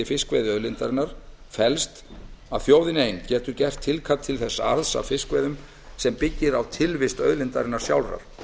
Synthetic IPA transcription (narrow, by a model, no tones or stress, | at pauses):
ɪfɪskvɛːðɪœðlɪnt̪aɾɪnːaɾ̥ | fɛlst̪aðθjoːwðɪnejncɛːt̪ʏɾcɛr̥t̪ʰːɪlkʰat̪ʰːɪlθɛsːaa̰ɾðsa̰fɪskvɛːðʏm | sɛmpɪcːɪɾawt̪ʰɪlvɪst̪œ̰ðlɪnt̪aɾɪnːaɾ̥sja̰wlra̰ɾ̥